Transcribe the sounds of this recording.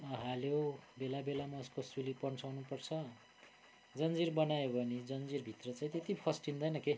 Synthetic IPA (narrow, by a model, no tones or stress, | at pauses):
ɦaljobelabelamaːskosulipʌnsʰawnupʌrt͡sʰʌ | d͡zʌnd͡zirbʌnajobʱʌnid͡zʌnd͡zirbʱit̪rʌt͡saĩt̪ẽt̪ipʰʌsʈind̪ʌjnʌke